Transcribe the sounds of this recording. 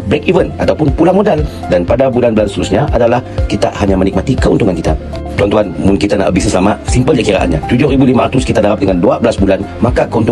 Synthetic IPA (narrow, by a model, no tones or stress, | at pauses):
bɛkivənat̪awpʊnpulamodal | danpadabulanbəlanst̪əɾusɲaʔadalahkit̪a̰ʔhaɲamənik̚mat̪ikəunt̪uŋankit̪a̰ | t̪uant̪uɦanmʊnkit̪anaʔəbisəsəlamaʔsimpəld͡ʒakiɾaʔa̰nɲat̪ud͡ʒʊhɾibulimaɾat̪ʊskit̪adaɾap̚dəŋanduabəlasbulanmakakəunt̪u